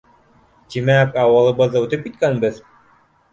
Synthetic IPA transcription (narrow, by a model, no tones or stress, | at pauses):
t̪imækɑwɤ̆lˠɤ̆βɤðːɤʉt̪ɘp̚kit̪kænbɘð